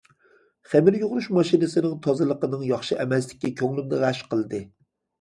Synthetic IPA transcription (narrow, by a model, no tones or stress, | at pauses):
χæmɪɾjoʁʊɾuʃmɑʃinɨsɨnɪŋt̪ʰɑzɨlˠəqənɨŋjɑχʃɨʔɛmɛsd̪ɪ̥kʲːikʲʰøŋlymnɪʁæʃqəlˠɨd̪ɨ